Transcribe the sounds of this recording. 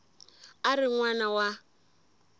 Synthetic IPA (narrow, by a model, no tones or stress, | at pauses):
aɾɪŋwanawa